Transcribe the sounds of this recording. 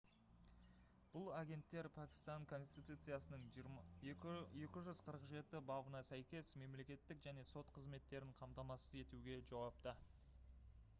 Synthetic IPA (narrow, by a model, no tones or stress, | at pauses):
b̥ʊlˠaɡʲe̞nt̪ːe̞ɾpʰækʲɪ̥st̪ɑŋkʰo̞nst̪ijt̪ut̪sɨjasənəɴ | je̞kʲɪʒʏz̥qʰəɾəqʒe̞t̪ɪbɑbənɑsæjkʲe̞sme̞mle̞kʲe̞t̪ːɪkʒæne̞so̞t̪qʰəzme̞t̪ːe̞ɾɪɴqʰɑmt̪ɑmɑsəze̞t̪uɡʲe̞ʒɑwɑp̚t̪ə